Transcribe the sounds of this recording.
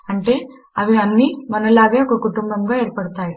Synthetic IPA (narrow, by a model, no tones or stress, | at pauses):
ɐɳʈe | aʋiɐnːiːmɐnɐlabjakukuʈumbɐmɡaeɾpəɽt̪aj